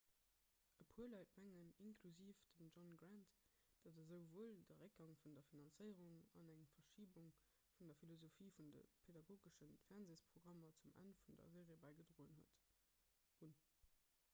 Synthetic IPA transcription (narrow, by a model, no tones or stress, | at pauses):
əpʰuːɐlɑɪtmæŋəninkʰluziːfd̥əmʒɔnɡʁænt | d̥ɑdəzəʊvoːldəʁək̚ɡɑŋfundɐfinɑnt͡səɪəʁuŋɑ̰næŋfɐʃiːbuŋ | fundɐfilozofiːfundə̰pʰedɑɡoːɡəʃənfæʁnzeːspʁ̥oɡʁɑmɐt͡sumʔæ̰nfundɐ̰zeːʁiəbæɪɡədʁoːənhuət | hun